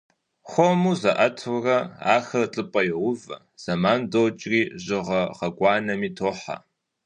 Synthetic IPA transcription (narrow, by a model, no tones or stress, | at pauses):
χʷɔmuːzɐʔɐtʰurɐa̰ːxɐt͡ɬʼɨpʼɐjɪʁʷʊvɐ̰ | z̥ɐmaːndowt͡ʃʼriːʑɪʁɐʁɐɡʷʼɑːnɐmiːtʰoːħa̰